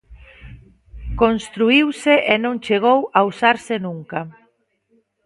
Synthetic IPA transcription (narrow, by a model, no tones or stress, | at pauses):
konst̪ɾuiwseʔenõŋt͡ʃeɣ̞owausaɾsenũŋka